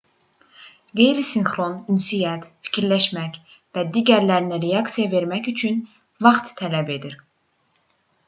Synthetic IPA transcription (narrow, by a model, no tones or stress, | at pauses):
ɡe̞jɾisinχɾo̞nynsijæt̪fi̥cʰiɾlæʃmæc | væd̪iːɟæɾlæɾinæɾejɑksijɑve̞ɾmæcyt͡ʃʰyn | vɑχt̪t̪ʰːælæbe̞d̪iɾ